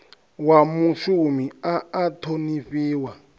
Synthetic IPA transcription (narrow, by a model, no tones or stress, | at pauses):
wamuʃumiaːtʰoniɸiːwa